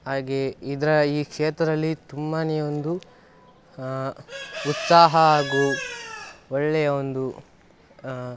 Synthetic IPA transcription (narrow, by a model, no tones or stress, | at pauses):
ɦaːɡeid̪ɐɾɐiːkʂeːt̪ɾɐd̪ɐlːit̪umːaːnɛjɐond̪u | ut̪saːɦɐaːɡu | ɔɭːɛjɐond̪u